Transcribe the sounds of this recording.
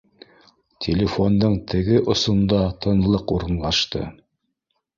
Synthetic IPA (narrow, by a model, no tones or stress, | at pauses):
tʲʰelʲɪfo̞nd̪ɤɴt̪ʰɘ̆ɡɘʔŏsŏnd̪ɑt̪ʰɤ̆nlˠɤquɾɤ̆nlˠɑʃt̪ɤ̰